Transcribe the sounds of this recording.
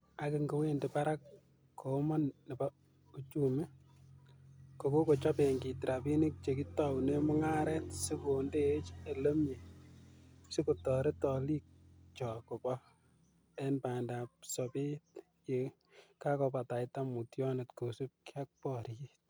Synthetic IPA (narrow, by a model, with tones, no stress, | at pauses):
a˨kɪ˨ŋɡo˨we˦ndepa˦ɾa˦k | kʰo˨mɔ˦nːe˨ba˦ | u˦t͡ʃu˦me˦ | ko˨ko˦ko˨t͡ʃa˦pe˨ŋɡi˨tɾʔa˨bi˦ni˦k̚t͡ʃe˨ki˦tɔ˦wne˦mʊ˦ŋa˦ɾɛ˦tsi˦konde˦t͡ʃe˨lo˦mje˨ | sɪ˦ku˨tɔ˨ɾe˦tɔ˨li˦k̚t͡ʃɔ˨ko˨bɔ˦ | ɛ˦npa˨nda˨p̚sɔbe˦t | je˨ | ka˦kɔpa˨ta˨ɪta˦mu˨tjɔ˦ne˨tko˨su˦p̚kja˦k̚pɔɾit